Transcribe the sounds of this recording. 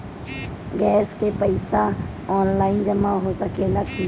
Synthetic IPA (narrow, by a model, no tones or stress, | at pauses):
ɡɛːskepəɪsa | ɔːnlaːɪnd͡ʒəmãɦoːsəkʰelɐkʰ